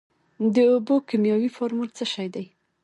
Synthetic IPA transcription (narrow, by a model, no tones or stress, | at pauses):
d̪əobokimjɑwifɑɾmult͡səʃajd̪aj